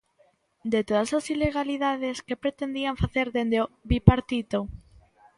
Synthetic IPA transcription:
d̪et̪oð̞asasileɣaliðaðeskepɾet̪end̪iaɱfaθeɾðend̪eoβipaɾt̪it̪o

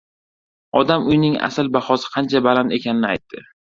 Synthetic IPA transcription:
ɒd̪amʊjnɪŋa̰sɪlbaχɒsɪ̥qʰɑnt͡ʃʰabalant̪e̞kʲʰanɪnɪajt̪ʰːɪ

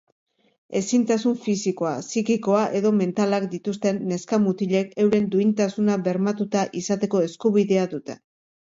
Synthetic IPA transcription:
e̞sint̪asuɱfisiko̞asikiko̞aʔe̞ðo̞me̞nt̪alakd̪it̪ust̪e̞nːe̞skamut̪iʎe̞ke̞wɾe̞nd̪uint̪asunaβe̞ɾmat̪ut̪aʔisat̪e̞ko̞e̞skuβiðe̞aðut̪e̞̰

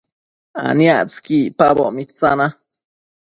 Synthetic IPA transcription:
a̰niaʔt͡skipaboʔmit͡sana

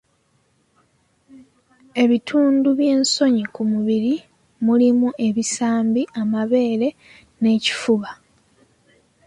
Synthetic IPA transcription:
e̞βitʰuːnduβje̞ːnso̞ɲikumuβiɾi | mulimuʔe̞βisaːmbiʔamaβe̞ːɾe̞ | ne̞ːci̥fuβa

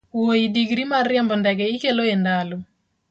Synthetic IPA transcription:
woidiɡɾimarjambɔndɛɡɛikeloendalu

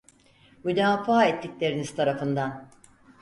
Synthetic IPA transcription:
myd̪aːfaːɛt̪ʰːiclʲe̞ɾiniz̥t̪ʰaɾafɯnd̪an

